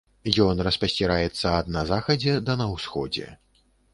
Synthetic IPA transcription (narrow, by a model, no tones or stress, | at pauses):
jɔnrɐspɐsʲt͡sʲiɾajɛt̪sːɐːd̪nɐzaxɐd͡zʲɛd̪ɐnɐwsxɔd͡zʲɛ̰